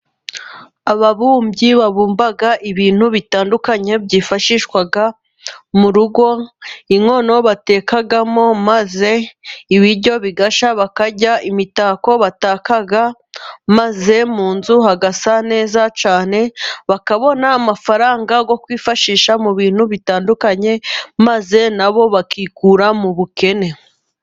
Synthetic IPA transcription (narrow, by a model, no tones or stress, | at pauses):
aβaβuːmbɟiβaβuːmbaɡaʔiβiːn̥huβitaːndukaɲe̞bɟiːfaʃiːʃkwaɡa | muɾuɡo̞iŋo̞no̞βate̞ːkaɡamo̞maze̞iβiɾɟo̞βiɡaʃaβakaɟaʔimitaːko̞βataːkaɡa | maze̞muːnzuhaɡasane̞ːzat͡ʃaːne̞βakaβo̞naːmafaɾaːŋɡaɡo̞kwiːfaʃiːʃamuβiːn̥huβitaːndukaɲe̞maze̞naβo̞βakikuɾamuβuke̞ne̞